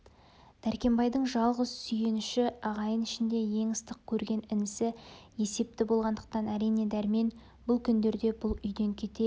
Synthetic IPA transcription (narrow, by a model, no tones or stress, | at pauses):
d̪̥æɾkʲe̞mbɑjd̪əɴʒɑlˠʁəzsʏje̞nʏʃɪɑʁɑjənɪʃɪnd̪e̞je̞ŋɪst̪əq̚kʲʰɵɾɡʲe̞nɪnɪsɪje̞se̞p̚t̪ɪbo̞lˠʁɑnd̪əq̚t̪ɑnæɾijne̞d̪æɾme̞n | bʊlˠkʲʰʏnd̪e̞ɾd̪e̞bʊlˠʏjd̪e̞ŋkʲʰe̞t̪e̞